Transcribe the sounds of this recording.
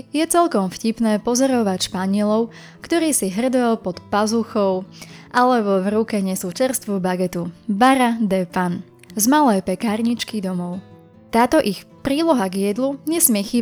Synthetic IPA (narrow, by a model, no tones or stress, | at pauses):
jɛt͡sɛlkɔmfcipnɛːpɔzɔɾɔʋacʃpaɲɪɛlɔʊ | kt̪ɔɾiːsiɦr̩d̪ɔjɔpɔt̪pazuxɔʊʔalɛbɔvɾukɛɲɛsuːt͡ʃɛɾst̪ʋubaɡɛt̪ubaɾad̪ɛpan | zmalɛjpɛkaːɾɲit͡ʃkid̪ɔmɔʊ | t̪aːt̪ɔʔixpɾiːlɔɦaɡjɛd̪luɲɛsmɪɛxiː